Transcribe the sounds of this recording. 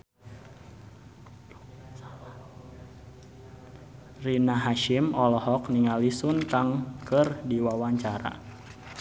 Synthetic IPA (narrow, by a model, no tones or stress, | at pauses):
rinaɦaʃimɔlɔɦɔk̚niŋalisʊnt̪aŋkərdiwawaɲt͡ʃaɾa̰